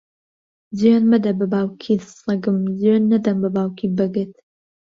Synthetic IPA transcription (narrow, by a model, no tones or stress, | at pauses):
zijanmɐd̪ɐbɨbaːwkʰisɐɡɨmzjaːnːɐd̪ɐmbɨbaːwkʰibɐɡɨt̪